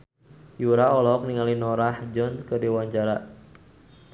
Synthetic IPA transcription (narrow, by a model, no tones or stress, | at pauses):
juɾaɔlɔk̚niŋalinɔɾahd͡ʒɔnkədiwaɲt͡ʃaɾa